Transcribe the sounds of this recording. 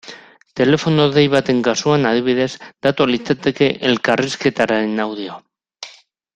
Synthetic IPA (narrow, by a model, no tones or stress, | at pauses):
t̪e̞le̞fo̞noðejβ̞at̪e̞ŋkasuanað̞iβ̞iðe̞zd̪at̪olit͡sat̪e̞ke̞ʔelkariske̞t̪aɾaɾenawð̞io